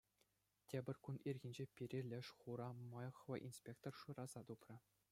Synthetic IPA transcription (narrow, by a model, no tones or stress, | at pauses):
tʲebʲɘ̆rʲkunirʲɡʲĭnʲd͡ʑepʲiɾʲelʲɘ̆ʂχuɾɑmɑjɤ̆χʋɤ̆ʔinspʲek̚t̪orʂurɑzɑt̪uprɤ̆